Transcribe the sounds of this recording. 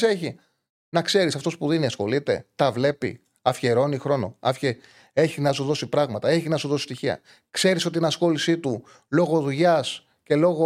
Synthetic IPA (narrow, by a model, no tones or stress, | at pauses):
seçi | nɐkse̞ɾisɐft̪o̞spuðiniɐsxo̞̰lit̪e̞̰t̪ɐvle̞pḭ | ɐfçeɾo̞nixɾo̞no̞̰ɐfçe | e̞çinɐsuðo̞sipɾɐɣmɐt̪ɐe̞çiznɐsuðo̞si̥st̪içiɐ̰ | kse̞ɾiso̞t̪inɐsxo̞lisit̪u | lo̞ɣo̞ðuʝɐs | ce̞lo̞ɣo